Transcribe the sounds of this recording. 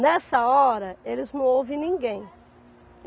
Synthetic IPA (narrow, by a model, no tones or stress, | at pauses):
nɛsɐɔɾɐelɪznɐ̃w̃owvɪ̃nĩŋɡẽj̃